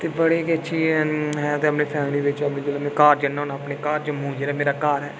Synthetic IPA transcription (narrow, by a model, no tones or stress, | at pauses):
t̪eːbəɽeːkiəʃʰiːɦɛ̃t̪eəpneːpʰɛːmliːʋɪt͡ʃamed͡ʒeːlamɛ̃ːkaːɾd͡ʒənːɦoːnaːəpneːkaːɾd͡ʒəmũːd͡ʒeːɾaːmeːɾaːkaːɾɦɛː